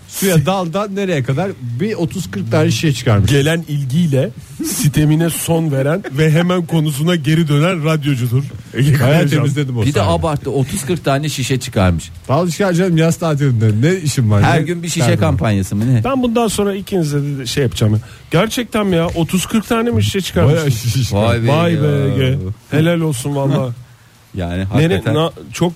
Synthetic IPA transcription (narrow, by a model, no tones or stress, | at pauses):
sujad̪alˠd̪ane̞ɾe̞jɛkʰad̪aɾbio̞t̪ʰuz̥kʰɯɾk̚t̪ʰaːnɛʃiʃɛt͡ʃʰɯ̥kʰaɾmɯʃɟe̞lʲænilʲɟijlʲɛ | sit̪ʰe̞minɛso̞nve̞ɾænvɛɦemænkʰo̞nus̬unaɟe̞ɾid̪ø̞nænɾad̪jo̞d͡ʒud̪uɾajaːt̪ʰemizd̪ʲed̪imobid̪ɛabaɾt̪ːɯot̪ʰuz̥kʰɯɾk̚t̪ʰaːnɛʃiʃɛt͡ʃʰɯ̥kʰa̰ɾmɯʃt̪ʰalˠɯʃkad͡ʒad̪ɯmjast̪ʰaːt̪ʰeɾind̪ɛnɛiʃinvaɾhæɾɟynbiʃiʃɛkampʰanjasɯmɯnɛbænbund̪anso̞nɾailcʰinizd̪ed̪ed̪ʃejːapt͡ʃʰaːmɯ | ɟ̥æɾt͡ʃʰɛc̚t̪ʰænmijaʔo̞t̪ʰuz̥kʰɯɾk̚t̪ʰaːnemiʃi̥ʃɛt͡ʃʰɯ̥kʰaɾamjaʃʃiʃiʃabajbeɟɛhe̞lʲælʲo̞lˠsunvalːˠaː | jaːnihaneninat͡ʃʰo̞k̚